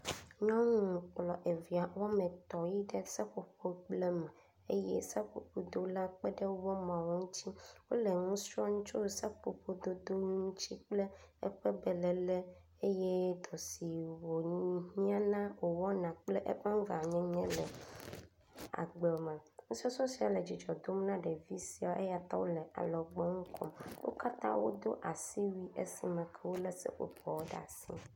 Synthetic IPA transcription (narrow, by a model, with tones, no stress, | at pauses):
ɲɔ̃˦ŋũ˦k͡plɔ˨ʔe˨vi˨a˨wɔ˦mɛ̃˨t̪ɔ˨ji˦ɖɛ˦sɛ˦ɸo˨ɸo˦k͡plɛ˦mɛ˨ | ḛ˦jɛ̰˦sa˦ɸo̰˨ɸo˨d̪o˦la˦k͡pɛ˦ɖɛ˦wɔ˦mã˨wo˦ŋũ˦t͡ɕi˦wo̰˦lɛ˨ŋũ˦sɔ˦ŋũ˦t͡ʃo˦˨sa˦k͡po˨ɸo˦d̪o˦d̪o˦ŋ˦ŋũ˦t͡ɕi˦k͡ple˦ɛ̰˦ɸɛ˦bɛ˨lɛ˨lɛ˦ | e˦jɛ˦d̪ɔ˨si˨wo˨˦ɲĩ˦a˦nã˦wo˨wɔ˦nã˨k͡ple˦ʔɛ̰˦ɸɛ˦ŋ˦va˨ɲɛ̃˦ɲɛ̃˦lɛ˨ | a̰˨ɡ͡bɛ˨mɛ̃˨ŋũ˦si˦ɔ˦sɔ˦si˨˦a˨le˨d͡ʑi˨d͡ʒɔ˨d̪o˦m˦nã˦ɖe˨vi˦si˦a˨ʔe˦ja˦t̪a̰˦wo˦lɛ˨ʔa̰˨lɔ˨ɡ͡bɔ˦ŋũ˦kʰɔ̰˦mwʔo̰˦ka˦t̪ã̰˦wo̰˦d̪o˦ʔa˨si˦wi˦e˦si˨mɛ̃˨kʰɛ˦wo˦lɛ˦sɛ̰˦ʔo̰˨pɔ˨wo˦ɖa̰˦˨a˨si˦